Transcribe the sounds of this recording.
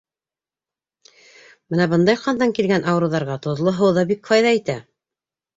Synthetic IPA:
bɘnæbɤnd̪ɑjqɑnd̪ɑŋkilɡænʔɑwɾɤ̆wðɑɾʁɑt̪ŏðlˠoɦɤ̆wðɑbikfɑjðɑit̪æ

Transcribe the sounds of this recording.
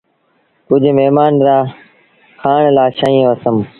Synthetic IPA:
kʊd͡ʒʱmeɦmaːnɾaː | xʰaːɳlaːʃaːĩõəsəm

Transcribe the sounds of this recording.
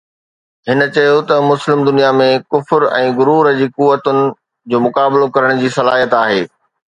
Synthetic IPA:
ɦɪnə̆t͡ɕɐjot̪ɐmʊslɪmd̪ʊnijamẽkʊfɾɛ̃ːɡʊɾuːɾəd͡ʑiːkuʋət̪ʊnɪ̆ | d͡ʑoːmʊkaːbɪlokɐɾəɽ̃d͡ʑiːsɐlaːɦijət̪aːɦeː

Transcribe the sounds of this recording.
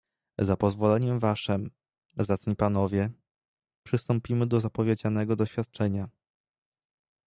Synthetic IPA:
zapɔzvɔlɛɲɛmvaʂɘm | zat̪sɲipanɔvʲjɛ | pʂɘst̪ɔmpʲimɘd̪ɔzapɔvʲjed͡ʑanɛɡɔd̪ɔɕfʲjat̪̚t͡ʂɛɲa

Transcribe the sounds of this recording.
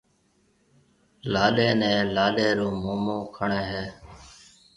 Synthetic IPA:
laːɗeːnɛ̃ːlaːɗeːɾũːmoːmõːkʰəɳeːɦeː

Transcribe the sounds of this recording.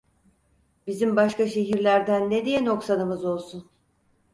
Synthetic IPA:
bizimbaʃkaʃe̞ɦiɾlʲæɾd̪ænːed̪ijɛno̞ksanɯmɯzo̞lˠsun

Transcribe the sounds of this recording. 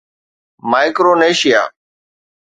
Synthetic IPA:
maːɪkɾoːneːʃɪja̰ː

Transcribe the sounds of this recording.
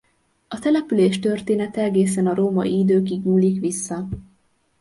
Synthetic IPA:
ɒt̪ɛlɛpyleːʃt̪ø̞rt̪eːnɛt̪ɛɛɡeːsɛnɒɾoːmɒiid̪øːkiɡɲuːlːikʋisːɒ

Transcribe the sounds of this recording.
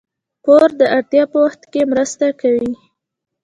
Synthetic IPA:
poɾd̪əʔaɽt̪jɑpəwaxt̪kemɾəst̪akawi

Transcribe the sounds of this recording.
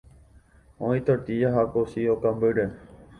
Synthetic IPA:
õĩt̪ot̪ijaɦakosiokambəɖe

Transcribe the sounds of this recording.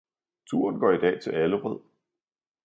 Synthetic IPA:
t͡sʰṵːɐnɡ̥ɒ̰ːid̥ɛ̰ːt͡sʰe̝læləʁɛð̰ˠ

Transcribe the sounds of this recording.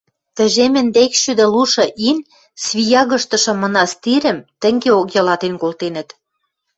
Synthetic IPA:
t̪ə̆ʒemɘ̆nd̪ekʃyd̪ĕluʃɤ̆ʔin | sβʲijɑɣɤ̆ʃt̪ɤ̆ʃɤ̆mɤ̆nɑst̪iɾɘ̆mt̪ə̆ŋɡeokjɑlɑt̪enkolt̪enə̆t̪

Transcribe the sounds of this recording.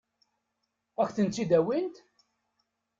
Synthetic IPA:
ækʷθənt͡s̪ːid̪æwint̪

